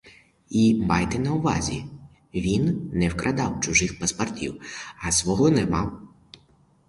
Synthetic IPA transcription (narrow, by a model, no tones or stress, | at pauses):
imɑjt̪ɛnɐʊʋɑ̰zʲḭ | ʋʲinːɛwkɾʔɐd̪ɑwt͡ʃʊʒɪxpɐspɐrtʲḭwɐsʋɔɦɔnɛmɑw